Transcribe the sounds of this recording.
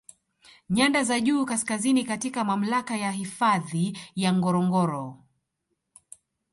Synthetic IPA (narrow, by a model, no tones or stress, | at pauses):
ɲandazaʄuːkaskazinikatikamam̩lakajaɦifaðijaŋɡɔɾɔŋɡɔɾɔ